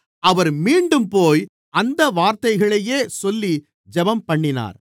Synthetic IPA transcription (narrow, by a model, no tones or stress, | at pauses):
ɐʋɐɾmiːɳɖɯmpoːj | ɐnd̪ɐʋaːɾt̪ɐɪɣɐɭɐjeːsɔlːi | d͡ʒɛbɐmpɐɳːɪna̰ːɾ